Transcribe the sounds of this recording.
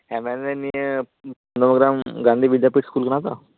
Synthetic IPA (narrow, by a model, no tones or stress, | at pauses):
ɦɛ̃mɛneni | pənd̪əməɡɾamɡãnd̪ʱiːʋid̪japiːʈskuːlkəɳ̃at̪a